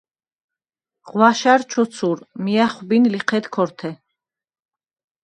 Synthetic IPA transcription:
ʁwaʃaɾt͡ʃʰɔt̪sʰuɾmiaχwbinliqʰɛd̪kʰɔɾt̪ʰɛ

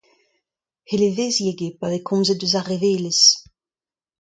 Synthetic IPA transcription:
heleveːzjeɡepavekʰɔ̃mzet̚døzaʁeveːles

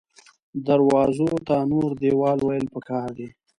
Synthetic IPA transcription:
d̪aɾwɑzot̪anoɾd̪ewɑːlwajəlpəkʰɑːɾd̪e

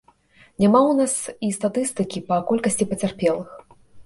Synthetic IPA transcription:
nʲamawnasist̪at̪ɨst̪ɨkʲipɐkɔlʲkɐsʲt͡sʲipɐt͡sʲarpʲɛlˠɨx

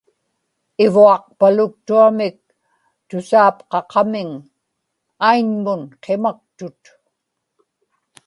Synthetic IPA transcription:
ɪvuɑq̚palʊk̚t̪uamɪk̚ | t̪ʊsaːpqɑqɑmɪŋ | aiɲmʊnqʰemak̚t̪ʊt̪

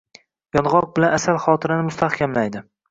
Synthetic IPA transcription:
jɒnʁɒq̚bɪlanasalˠχɒːt̪ʰɪɾanɪmʊst̪ʰahkʲʰamlajd̪ɪ

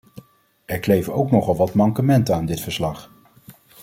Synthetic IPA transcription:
ɛɹklejvənowknɔχɑlˠʋɑtmɑŋkəmɛntəaːndɪtfəɹslɑχ

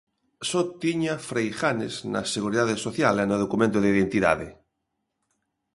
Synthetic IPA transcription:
sot̪iɲafɾejxanezna̰seɣuɾiðaðesoθjalenoð̞okumẽnt̪oðeiðent̪iða̰ðe

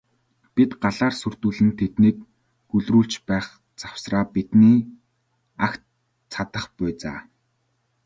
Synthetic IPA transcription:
pit̪ɢaɮaːrsɵr̥t̪uːɮɘ̆nt̪ʰet̪niːk̚ | ɡɵɮruːɬt͡ɕpæːχ | t͡sḁw̥sraːpit̪niː | akt̪ | t͡sʰat̪ə̆χpʊjt͡sa̰ː

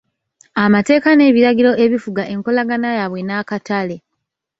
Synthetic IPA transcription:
amate̞ːkane̞ːβiɾaɟiɾo̞ʔe̞βifuɡaʔe̞ŋko̞laɡanajaβwe̞nakatale̞

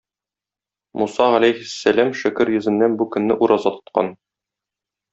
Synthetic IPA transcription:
musɑʁælæjhɘsːælæmʃɵ̆kɘɾjɵ̆zɘ̆nːænbukɵ̆nːɘʔuɾʔɑzɑt̪ŏ̥t̪̚qɑ̰n

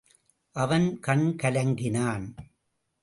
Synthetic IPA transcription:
ʔɐʋɐnkɐɳkɐlɐŋɡɪnaːn

